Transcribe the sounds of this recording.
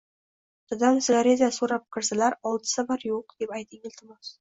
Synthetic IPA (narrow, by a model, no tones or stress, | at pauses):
t̪ʰʊd̪amsɪɡaɾezʲasoɾap̚kʲʰɪɾsalaɾɒlˠd̪ɨ̥sabɒɾjoqd̪̥e̞pajt̪ʰɪŋɪlʲt̪ʰɪmɒs